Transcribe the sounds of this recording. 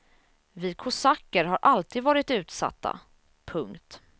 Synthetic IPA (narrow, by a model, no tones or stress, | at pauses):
viːd̪̚kʰʊsakːəɾɦaɾʔalt̪ʰiːd̪vɑːɾɪt̪ʉ̟ːt̪sa̰t̪ʰːa̰ | pʰɵŋkt̪